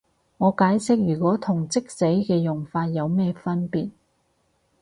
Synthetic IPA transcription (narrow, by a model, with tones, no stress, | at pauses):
ŋɔː˨˧kaː˨˥jsɪ˥k̚jyː˨˩kʷɔː˨˥t̪ʰʊ˨˩ŋt͡sɪ˥k̚se˨˥jkɛː˧jʊ˨ŋfaː˧t̚jɐ˨˧wmɛː˥fɐ˥npiː˨t̚